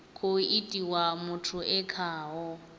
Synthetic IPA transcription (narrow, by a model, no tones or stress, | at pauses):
kʰʊitʼiwamʊtʰʊɛkʰaːɦɔ